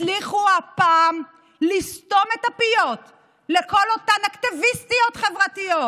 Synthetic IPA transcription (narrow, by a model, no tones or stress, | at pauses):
liχuapaːm | list̪o̞metapijo̞t | leko̞lo̞tanakt̪ivist̪io̞tχe̞vʁatijo